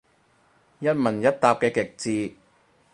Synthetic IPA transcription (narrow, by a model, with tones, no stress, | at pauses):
jɐ˥t̚mɐ˨˩njɐ˥t̚t̪aː˨˧p̚kɛː˧kɪ˨˩k̚t͡siː˧